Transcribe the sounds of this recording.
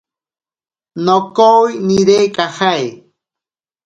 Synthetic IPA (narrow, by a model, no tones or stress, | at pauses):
nokowjniɾekʼahaj